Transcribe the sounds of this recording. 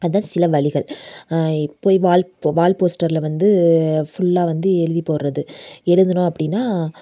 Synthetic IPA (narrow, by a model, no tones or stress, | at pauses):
ɐðɯðãːsɪlɐʋɐɭɪɣɐɭ | ɪpːoːjʋaːlʋaːlpoːsʈɐɾlʋɐnd̪ɯfʊɭːaːʋɐnd̪ɯɛɻɯðipoːɾɾɐðɯɛɻɯðɐnʊ̃ɐpːɐɽɪnːaː